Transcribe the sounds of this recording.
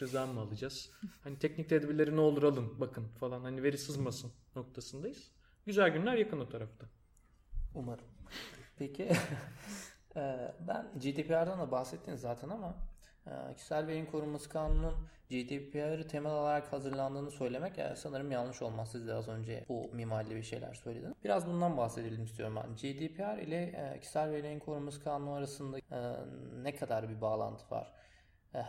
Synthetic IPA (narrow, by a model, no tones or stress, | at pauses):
ɾizammɯalˠɯd͡ʒaz̥hanit̪ʰɛcnic̚t̪ʰed̪bilʲeɾinɛolˠuɾalˠɯnbakʰɯnfalˠanhanive̞ɾisɯzmasɯnːo̞k̚t̪ʰasɯnd̪ajiz | ɟ̥yzælʲɟynlʲæɾjakɯnbut̪ʰaɾaft̪ʰa | umaɾɯmpʰecʰi | ɛːbæ̰nd͡ʒid̪iːpʰiaɾd̪and̪abaxsɛt̪ʰːinizːaːt̪ʰɛnama | ɯ̰cʰy̥sælʲvejimkʰo̞ɾummasɯ̥kʰaːnunun | d͡ʒid̪ipʰiaɾɯt̪ʰemɛlʲolˠaɾakhazɯɾlˠand̪ɯːnɯsø̞jlʲe̞mɛcɛ̰sanɯɾɯmjanˠːɯʃo̞lˠmasːizd̪ɛazø̞nd͡ʒɛ̰bumiːmalʲlʲːibiʃe̞jlʲæ̰ɾsø̞jlʲed̪inb̥iɾazbund̪anbaxse̞d̪ilʲimist̪ʰijo̞ɾumbæ̰nd͡ʒid̪iːpʰiaɾḭlʲɛ̰cʰi̥sælʲvelʲininkʰoɾumasɯ̥kʰaːnuaɾasɯnd̪a | nɛkʰad̪aɾbibaːlˠa̰nt̪ʰɯ̥va̰ɾ̥